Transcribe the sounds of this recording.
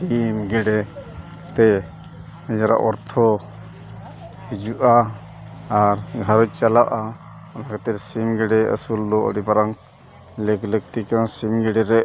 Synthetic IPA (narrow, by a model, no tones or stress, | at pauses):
imɡɛɖɛ | t̪ɛ | nɛd͡ʒaɾa̰ʔɔɾt̪ʰɔ | hid͡ʒuʔaː | ɾɡʱaɾɔc̚ˀt͡ʃalaʔa | ɔnakɛt̪ɛɾsimɡɛɖɛə̰suld̪ɔə̰ɖipaɾaŋ | ləklək̚t̪ikasimɡɛɖɛɾɛʔ